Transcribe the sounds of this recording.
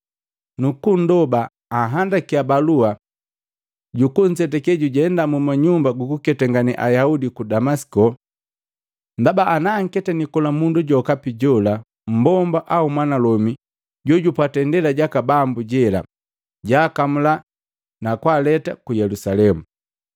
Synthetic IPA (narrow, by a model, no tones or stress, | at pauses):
nukun̩dɔbaː | ɦandakiabalua | ɟukuɲ̩sɛtɛkɛɟuɟɛndamumaɲumbaɡukukɛtaŋɡaniʔa̰jaudikudamasi̥kɔ | ndabaʔːnaːŋ̩kɛtanikɔlamunduɟɔkapiɟɔla | m̩bɔmbaʔaumwanalɔmi | ɟɔɟupatɛndɛlaɟakabambuɟɛla̰ | ɟaːkamula | nakwalɛtakujɛlusalɛmu